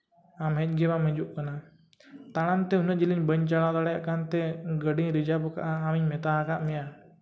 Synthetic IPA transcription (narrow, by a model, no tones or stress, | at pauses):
amɦɛt͡ʃ̚ˀɡɛmamɛd͡ʒuʔkana | t̪aɽ̃ant̪ɛɦunəʔd͡ʒiliɲbəɲt͡ʃaɽ̃ãd̪aɽɛjaʔkant̪ɛɡəɖiɲɾid͡ʒabɔka̰ʔaːmiɲmɛt̪aɦakaʔmɛja